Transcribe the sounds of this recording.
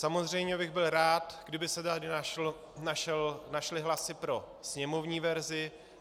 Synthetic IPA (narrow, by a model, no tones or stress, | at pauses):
samo̞zr̝ɛjɲɛbɪɣbɪlɾaːt̪ɡdɪbɪsɛt̪adɪna | naʃɛlnaʃlɪɦlasɪpɾo̞ | sɲɛmo̞vɲiːvɛɾzɪ